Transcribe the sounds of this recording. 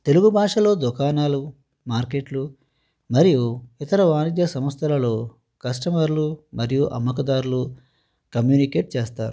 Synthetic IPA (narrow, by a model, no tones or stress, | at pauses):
t̪e̞luɡubʱaːʂɐlo̞ːd̪ukaːnaːlu | maːɾkeːʈlu | mɐɾijuit̪ɐɾɐʋaːnid̪jɐsɐmɐst̪ʰɐlɐlo̞ː | kɐsʈɐmɐɾlumɐɾijuʔɐ̰mːɐkɐd̪aːɾulu | kɐmjuːnike̞ːʈ̚t͡ʃeːst̪aːɾu